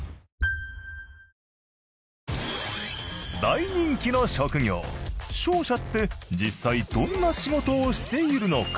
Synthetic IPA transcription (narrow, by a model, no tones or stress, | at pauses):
d̪aiɲ̟ĩŋkʲino̞ɕo̞kɯ̟ɡʲo̞̰ːɕo̞ːɕat̪ːe̞d͡ʑisːaid̪õ̞nːaɕiɡo̞t̪o̞ːɕi̥t̪e̞iɾɯ̟no̞̰k